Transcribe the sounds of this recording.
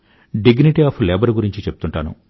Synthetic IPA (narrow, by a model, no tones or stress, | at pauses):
ɖiɡniʈiaːpʰlɛːbɐɾɡuɾiɲt͡ʃit͡ʃep̚ːu̥t̪uɳʈaːnṵ